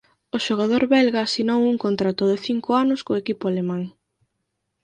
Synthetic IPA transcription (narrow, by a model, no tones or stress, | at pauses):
oʃoɣ̞að̞oɾβɛlɣaːsinowuŋkont̪ɾat̪ʊðeθiŋkʊanʊskoekipʊalemãŋ